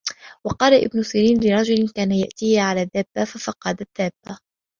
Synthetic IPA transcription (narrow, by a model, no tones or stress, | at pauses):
wɑqɑːlaʔɪ̰bnʊsɪːɾiːnlɪɾˤɑd͡ʒʊlɪnkaːnajaʔt̪iːhʕalaːðaːbːafafɑqɑd̪at̪ːaːbːa